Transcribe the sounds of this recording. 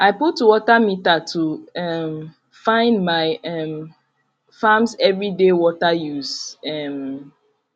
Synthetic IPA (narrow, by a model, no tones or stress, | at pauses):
ʔaɪputːuwɔtamitatʰuɛm | fãɪ̃ndmaɪɛm | famsɛvɹidewɔtajuzɛm